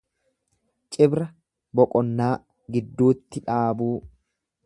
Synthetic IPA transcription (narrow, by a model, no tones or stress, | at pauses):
t͡ʃʼɪbɾɐ | bɔkʼɔnːaː | ɡɪd̪ːuːt̪ːɪᶑaːbuː